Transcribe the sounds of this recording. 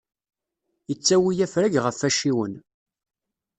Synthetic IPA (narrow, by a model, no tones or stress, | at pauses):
jət͡sːæwijæfɾæʝʁəfːæʃiwən